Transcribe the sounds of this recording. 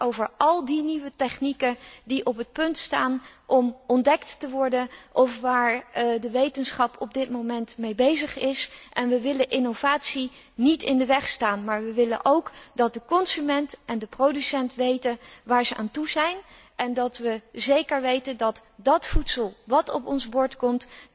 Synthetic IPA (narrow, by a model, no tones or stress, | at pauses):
owvəɹʔɑlˠdiniʋətɛχnikədiʔɔpət̚pɵntstaːnʔɔmɔndɛktːəʋɔɹdənʔɔfʋaːɹdəʋejtənsχɑpʰɔb̚dɪtmowmɛntmejbejzəχɪsʔɛnʋəʋɪləʔɪnov̥aːtsi | nitɪndəʋɛχstaːnmaːɹʋəʋɪlə̰nʔowkdɑt̚dəkɔnzymɛntʔɛndəprowdysɛntʋejtənʋaːɹzəʔa̰ːntuzɛjnʔɛndɑtʋəzejkəɹʋejtəndɑtdɑtfutsəlˠʋɑtɔpɔnzbʊɹtkɔmt